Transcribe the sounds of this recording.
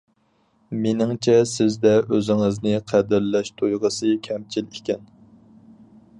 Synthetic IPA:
menɪŋt͡ʃʰɛsɪzd̪ɛøzɪŋɪznɪqʰæd̪ɪɾlɛʃt̪ʰojʁəsɨkʲʰɛmt͡ʃʰilekʲɛn

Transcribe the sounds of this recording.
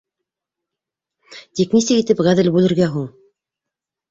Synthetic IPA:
t̪iknisɘkit̪ɘpʁæðɘlbʉlɘ̆ɾɡæɦuɴ

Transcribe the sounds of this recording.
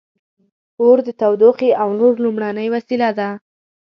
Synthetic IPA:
oɾd̪ət̪awd̪oqeʔawnoɾlumɽanəjwasilad̪a

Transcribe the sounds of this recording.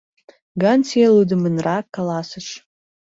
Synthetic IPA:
ɡɑnt͡sielud̪əmənrɑkːɑlɑsəʃ

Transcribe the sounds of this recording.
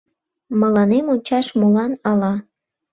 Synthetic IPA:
məlɑnemonʲt͡ɕɑʃmulɑnɑlɑ

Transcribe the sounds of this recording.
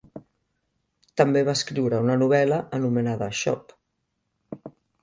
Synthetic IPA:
t̪əmbeβ̞askɾiwɾəunənuβ̞ɛləʔənumənaðəʃɔ̰p

